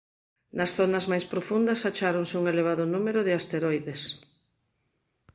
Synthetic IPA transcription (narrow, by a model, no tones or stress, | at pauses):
nɐsθonɐzmajspɾofund̪ɐsat͡ʃaɾoŋsɪuŋeleβ̞aðʊnumeɾoðɪast̪eɾojðes